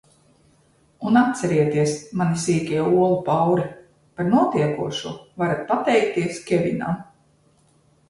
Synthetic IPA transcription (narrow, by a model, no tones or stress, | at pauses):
unat̪̚t̪sɛɾiɛt̪iɛsmanisiːkʲiɛuɔlˠupawɾɛ | paɾnuɔt̪iɛkuɔʃuɔvaɾat̪̚pat̪ɛjk̚t̪iɛskʲevʲḭna̰m